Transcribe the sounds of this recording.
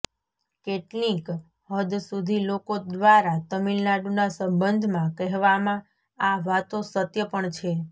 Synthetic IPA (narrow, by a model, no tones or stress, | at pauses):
keʈnik | ɦəd̪sud̪ʱilokod̪ʋaɾat̪əmilnaɖunasə̃mbənd̪ʱmãkɛɦʋamã | aʋat̪osət̪jəpəɳt͡ʃʰe